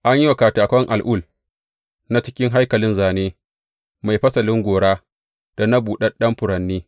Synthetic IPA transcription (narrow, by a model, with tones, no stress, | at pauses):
ʔa˦ɲji˦wa˨kaː˨taː˨kʷɐ˦ŋʔa˨lʔʊ˦˨l | na˦t͡ʃɪ˦kʲɪ˦ŋɦa˦jkɐ˨lɪ˦nzaː˨neː˦ | ma˨jɸɐ˦sɐ˨lɪ˦ŋɡʷoː˨ɽaː˦ | d̥a˨na˦buː˨ɗɐ˦ɗɐ˦mɸʊ˨ɾɐ˨nːiː˦